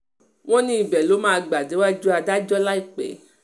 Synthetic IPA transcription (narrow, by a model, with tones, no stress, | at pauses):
w̃ɔ̃˦nĩ˦i˨bɛ˨lo˨˦mãː˦˧ɡ͡ba˨de˨˦wa˦d͡ʒu˦a˧da˦d͡ʒɔ˦la˦i˦˨k͡pɛ̰˨˦